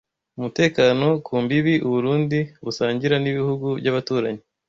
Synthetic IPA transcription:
umute̞ːkaːno̞kʰuːmbiβiʔuβuɾuːndiβusaːɲɟiɾaniβihuɡuvɟaβatuːɾaɲe

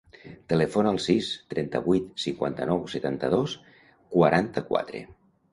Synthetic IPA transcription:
t̪əlɛfonalˠsist̪ɾɛnt̪ə̰βujt̪siŋkwa̰nt̪ənɔwset̪ant̪əðos | kwaɾʔant̪əkwa̰t̪ɾḛ

